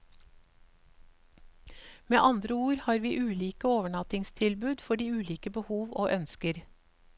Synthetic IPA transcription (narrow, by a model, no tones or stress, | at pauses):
mḛːʔɑnd̪ɾəuːɾhɑːɾʋiːʔʉːliːkəoːʋəɳɑt̪ɪŋst̪ʰɪlbʉːd̪fɔɖiːʉːliːkəbəhuːʋo̰ːʔœnskəɾ